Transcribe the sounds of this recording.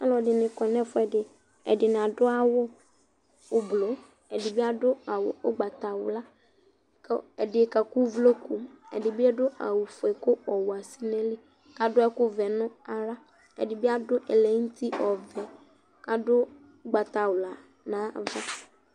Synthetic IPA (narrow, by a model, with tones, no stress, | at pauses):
a̰˦lɔ˨dɪ˨nɪ̃˨kɔ˨nɛ̃˦fʊ˦ɛ˨dɪ˨ | ɛ̰˨dɪ˨n˨a˨dʊ˦a˦wʊ˦ | ʊ˨blo˨˦ | ɛ˨dɪ˨bɪ˦a˦dʊ˦a˨wʊ˨ʊ˦ɡ͡ba˨ta˨wʊ˨la˦ | kɛ˨dɪ˨ka˨ku˦vlo˦ku˨ɛ̰˨dɪ˨bɪ˦ɛ˦dʊ˦a̰˨wu˨fe˨kʊ˦ɔ˨wʊ˨a˨si˦nɛ˦li˦ | ka˨dʊ˦ɛ˦kʊ˦vɛ˨nʊ̃˦a˨ɾa˦ | ɛ̰˨dɪ˨bɪ˦a˦dʊ˦ʔɛ˨lɛ˨˦n̩˦tʰi˦ʔɔ˨vɛ˨ | ka˨dʊ˦ | ɡ͡ba˨ta˨wʊ˨la˨ | nãː˨˦˨va˦